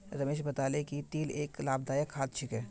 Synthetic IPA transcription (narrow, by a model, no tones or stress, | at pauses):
ɾɐmeːʃbɐt̪aːlekit̪iːleːklaːbd̪aːjəkɦaːt̪t͡ʃʰɪkɦɛː